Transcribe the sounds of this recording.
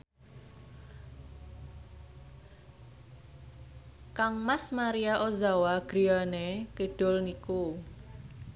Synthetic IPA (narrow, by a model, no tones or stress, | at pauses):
kaŋmasmaɾiaʔozawaɡ̥ɾianekiɖ̥ʊ̤lniku